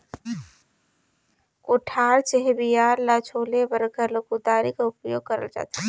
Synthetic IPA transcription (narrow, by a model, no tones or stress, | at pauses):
koʈʰaːɾt͡ʃeɦebijaːɾlat͡ʃʰoːlebəɾɡəɾloːkud̪aːɾikaʊpjoːɡ̚kəɾə̰ld͡ʒa̰ːt̪a